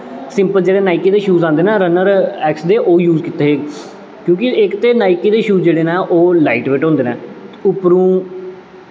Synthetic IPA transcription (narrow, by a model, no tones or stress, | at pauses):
sɪ̃mpəld͡ʒeːɽeːnaːɪkiːd̪eːʃuːzãːnd̪eːnãːɾənəɾɛːksd̪eːʔoːjuːzkit̪ːeːɦeː | kjõːkɪɪkt̪eːnaːɪkiːd̪eːʃuːd͡ʒeːɽeːnãːʔoːlaːɪʈʋeːʈɦõːnd̪eːnɛːʊpɾũː